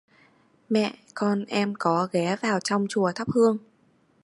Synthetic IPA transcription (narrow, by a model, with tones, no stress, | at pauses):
mɛ̰˧˨ʔkɔ˧nʔɛ˧mkɔ˨˦ɣɛ˨˦vaː˨˩wt͡ɕɔ˧wŋ͡mt͡ɕu˧˩ət̪ʰə˦˥p̚hɨ˧əŋ